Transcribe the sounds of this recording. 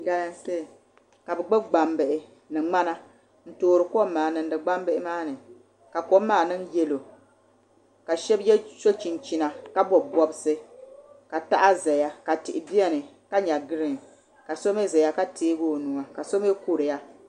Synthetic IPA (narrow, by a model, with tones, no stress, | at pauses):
ɡa˦ja˦se˦˨ | ka˨bɨ˨ɡ͡bɨ˦ɡ͡ba˨mbɨ˨ʔɪ˨ | nɨ˨ŋ͡ma˦na˦ | n̩˦toː˨ɾɨ˨ko˦mːaː˨nɨ˨n˦dɨ˨ɡ͡ba˦m˦bɨ˦ʔɪ˦maː˦nɨ˨ | ka˨ko˦mːaː˦˨nɨ˦njɛ˦lo˨ | ka˨ʃɛ˦bjɛ˦t͡ʃo˦t͡ʃi˨nt͡ʃi˨na˨ka˦bɔ˨bɔ˦bɨ˦sɨ˦ka˨ta˦ʔa˦za˨ja˦ka˨tɪ˨ʔɪ˨bi˦ɛ˦nɨ˨ | ka˦ɲa˨ɡɨ˦ɾɨ˦ŋ˨ | ka˨so˦me˦za˨ja˦ka˦teː˦ɡoː˦nu˨ŋa˨ka˨so˦m˦e˦ku˦ɾɨ˨ja˦